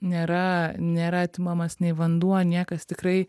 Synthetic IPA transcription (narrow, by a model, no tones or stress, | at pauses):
nʲeːɾɐnʲeːɾɐt̪ʲɪmɐmɐsnʲɛɪʋɐnd̪uɔnʲiɛkɐst̪ʲɪkrɐɪ